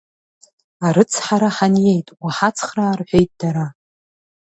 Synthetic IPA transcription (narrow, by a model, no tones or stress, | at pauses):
aɾɨt͡sʰħaɾaħanje̞jtʼwaħat͡sʰχraːrħʷᶣejtʼd̥aɾa